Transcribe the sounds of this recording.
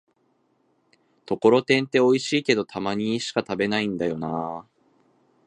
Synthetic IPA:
t̪o̞ko̞ɾo̞t̪ẽ̞nt̪e̞o̞iɕiːke̞d̪o̞t̪ʰamaɲ̟iɕi̥kat̪abe̞naĩnd̪ajo̞naː

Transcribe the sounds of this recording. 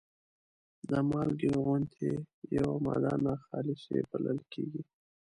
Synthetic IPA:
d̪əmɑlɡeɣʊnt̪ʰejawamɑ̰d̪ɑnaxɑlɪsḛbələlkeɡi

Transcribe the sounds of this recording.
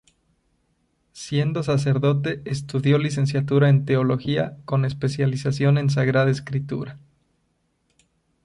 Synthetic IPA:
sje̞nd̪o̞s̬as̬e̞ɾðo̞t̪e̞est̪uðjo̞lis̬e̞ns̬jat̪uɾae̞nt̪e̞olo̞xiako̞ne̞spe̞sjalisasjo̞ne̞ns̬aɣɾaðaeskɾit̪ṵɾa

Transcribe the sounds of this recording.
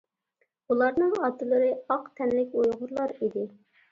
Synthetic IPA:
ulˠɑɾnɨŋɑt̪ʰɨlˠɨɾɨɑqt̪ʰɛnlɪkʲujʁʊɾlˠɑɾid̪ɪ

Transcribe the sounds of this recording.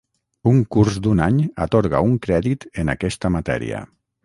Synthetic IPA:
uŋkuɾzd̪unaɲat̪oɾɣa̰uŋkɾɛðit̪enakɛst̪əmat̪ɛ̰ɾḭa̰

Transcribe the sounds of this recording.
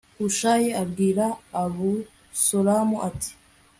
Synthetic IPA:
huʃaːjeabɡiːɾaːβu | solamuʔati̥

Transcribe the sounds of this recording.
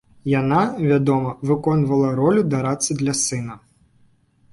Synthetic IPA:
janavʲad̪ɔmɐvɨkɔnvɐlˠɐɾɔlʲud̪aɾat̪sɨd̪lʲɐsɨnɐ

